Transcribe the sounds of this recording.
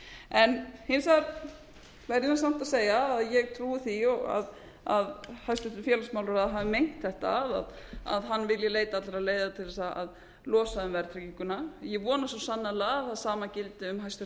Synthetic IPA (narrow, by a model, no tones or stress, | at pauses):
ɛnhɪnsaɾ | vɛɾjɪansam̥t̪aðseːjaːðjɛɣt̪ʰɾuːθiɔɣa̰ð | aðhajst̪ʏt̪ʏfjɛːlasmawlʏɾaðɦaːvɪmejŋ̥t̪θɛht̪aːða̰ða̰ðɦanːvɪljɛleːjt̪aat̪laɾaðleːjðat̪ʰɪlðɛsaa̰ð | lɔːsaʏmvɛɾt̪ʰɾɛciŋkʏnajɛɣvɔːnasɔsanːalaaθaðsaːmacɪlt̪ɪʏmɦajst̪ʏ